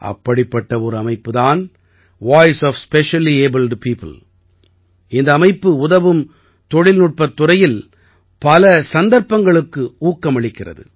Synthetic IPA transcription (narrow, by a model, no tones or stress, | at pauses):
ʔɐ̰pːɐɽɪpːɐʈːɐɔɾɯɐmɐɪpːɯðaːn | ʋaːjsɔːfspɛʂɐlieːbɪlɖpiːpɯ̰l | ɪnd̪ɐːmɐɪpːɯʊðɐʋɯm | t̪ɔɻɪlnʊʈ̚pɐt̪ːʊrɐjɪl | pɐlɐsɐnd̪ɐɾpːɐŋɡɐɭɯkːɯuːkːɐmɐɭɪkːɪrɐ̰ðɯ̰